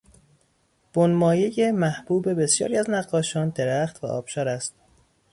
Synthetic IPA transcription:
b̥onmɒːjejemæhb̥uːbe̞be̞sjɒ̰ːɾiæznæɢːɒːʃɒːnd̪eɾæχt̪væ̰ʔɒ̰ːb̥ʃɒːɾæst̪̚

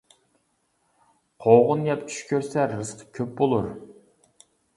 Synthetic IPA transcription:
qʰowʁʊnjɛp̪ʰy̥ʃkʲʰøɾsɛɾɨsqʰə̥kʲʰøp̚bolˠuɾ

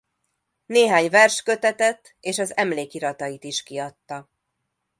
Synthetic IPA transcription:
neːɦaːɲvɛrʃkø̞t̪ɛt̪ɛt̪ːeːʃɒzɛmleːkiɾɒt̪ɒjit̪iʃkiɒt̪ːɒ

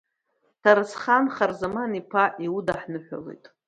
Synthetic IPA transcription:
tʰaɾɨsχanχarzamanipʰaʔiudaħnɨħʷᶣa̰lḛjtʼ

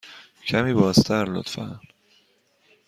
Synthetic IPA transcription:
cʰæmiːbɒːzt̪ʰæɾlo̰t̪fæn

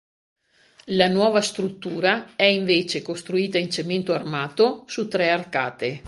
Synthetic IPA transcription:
lanwɔːvast̪ɾut̪ːuːɾaɛiɱveːt͡ʃekost̪ɾuiːt̪aint͡ʃement̪oarmaːt̪osut̪ːɾɛarka̰ːt̪e

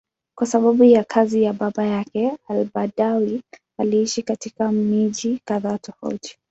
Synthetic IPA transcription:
kwasaɓaɓujakʰazijaɓaɓajakɛalɓaɗawi | aliiʃikatikamiʄikaðaːtɔfa̰uti̥

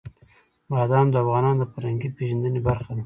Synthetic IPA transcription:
mɑːd̪ɑmd̪əafɣɑnɑnd̪əpaɾaŋɡipeʒand̪ənebaɾxad̪i

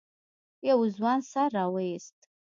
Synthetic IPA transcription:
jawuzwansarawejstʼ

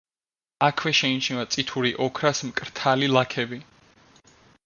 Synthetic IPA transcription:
akʰwɛʃɛint͡ʃʰnɛvat̪sʼit̪ʰuɾiʔɔkʰɾasmkʼɾt̪ʰalilˠakʰɛbi

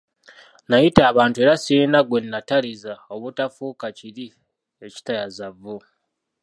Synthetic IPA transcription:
najitaːβaːntue̞ɾasinaɡwe̞nːatalizao̞βutafuːkaciɾi | e̞ci̥tajazavo

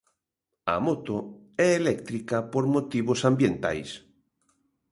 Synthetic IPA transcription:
ɐ̰mot̪o | ɛelɛkt̪ɾikɐpoɾmot̪iβosambjent̪a̰js

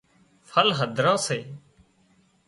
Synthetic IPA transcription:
fʰəlɦəd̪ʱɾãːseː

